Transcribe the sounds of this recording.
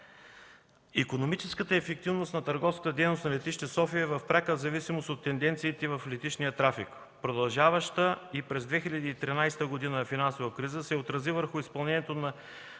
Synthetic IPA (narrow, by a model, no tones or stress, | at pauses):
ikonomit͡ʃɛskət̪əɛfɛk̚t̪ivnosnɐt̪əɾɡɔfskət̪əd̪ɛjnosnɐlɛt̪iʃt̪ɛsɔfiəvɐfpɾakəzɐvisimost̪ot̪ːɛnd̪ɛnt̪siːt̪ɛvɐflɛt̪it͡ʃnijət̪ɾafḭk | pɾod̪ɐlˠʒavəʃt̪əipɾɛzd̪vɛxilʲɐd̪iːt̪ɾinajst̪əɡod̪inəfinansovəkɾizəsɛot̪ɾɐzivəɾxʊispɐlˠnɛnijɛt̪onɐ